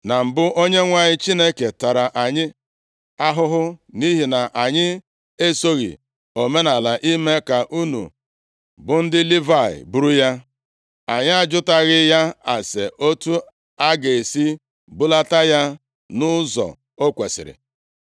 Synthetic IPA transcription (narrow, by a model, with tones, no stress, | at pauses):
na˨m̩˨bʊ˦ʔo˦ɲe˦ŋʷa˦ɲɪ˦t͡ʃi˦ne˦ke˨ta˨ɾa˨ʔa˨ɲɪ˦ | a˦ɦʊ˦ɦʊ˦ni˦ɦi˨na˨ʔa˨ɲɪ˦ | e˦so˦ɣḭ˨ | o˨me˦na˨la˨ʔi˦me˦ka˨ʔu˦nṵ˨ | bʊ˨n̩˦dɪ˦li˦va˦˨ɪ̰˨bu˦ɾu˦ja˦ | a˨ɲɪ˦a˦d͡ʒʊ˦ta˦ɣɪ˦ja˦a˨se˨ʔo˦tu˦ | a˦ɡe˨e˨si˦ | bʊ˦la˦ta˦ja˦ | nʊ˦zɔ̰˨ | o˦kʷe˨sɪ̰˨ɾɪ̰˨